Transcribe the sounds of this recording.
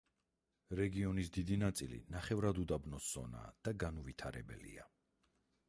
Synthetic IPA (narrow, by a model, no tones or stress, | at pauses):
ɾɛɡiɔnisd̪id̪inat̪sʼilḭnaχɛvɾad̪ud̪abnɔsz̥ɔ̰na̰ːd̪̥aɡanuvit̪ʰaɾɛbɛ̰lḭa